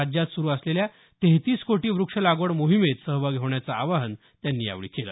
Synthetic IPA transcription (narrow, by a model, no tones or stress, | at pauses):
d͡ʑjat̪suɾuːəslelja | t̪eɦt̪iːskoʈiːʋɾukʂəlaɡoɽmoɦimet̪səɦbaɡʱeʋɳjat͡saːʋaɦən | t̪janːia̰ʋɭḭːkela̰